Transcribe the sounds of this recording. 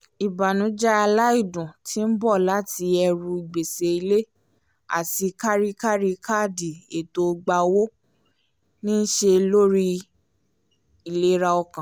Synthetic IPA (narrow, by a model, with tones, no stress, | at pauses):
i˨ba˨nũ˨˦d͡ʒa˦a˧la˦i˦˨dũ˨tʰi˨˦n̩˦bɔ˦˨la˨˦ti˧ɛ˧ɾũ˧i˨ɡ͡be˨se˧i˧le˦ | a̰˦˨ti˧ka˦ɾi˦ka˦ɾi˧ka˦˨di˨e˨to˧ɡ͡ba˧wo˦ | nĩ˦n̩˦ʃe˧lo˦ɾi˦ | i˨le˨˦ɾa˧ɔ˧kã˨